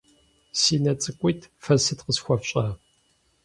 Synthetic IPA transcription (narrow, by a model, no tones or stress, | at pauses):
siːnɐt͡sʼɨkʷʼiːtʰfɐsɨtqəsxʷɔfɕʼaː